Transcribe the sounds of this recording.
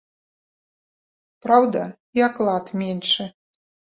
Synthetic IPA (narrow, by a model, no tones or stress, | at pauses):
pɾawd̪ɐ | iaklˠɑt̪mʲenʲʂɛ